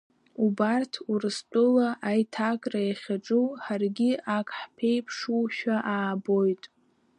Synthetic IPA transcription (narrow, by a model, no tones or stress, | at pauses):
ubartʰurɨstʼʊlaʔajtʰakʼrajaχʲaʈ͡ʂʼuwħarɡʲiʔakʰʼħpʰe̞jpʰʂuʃᶣaʔaːbo̞jtʼ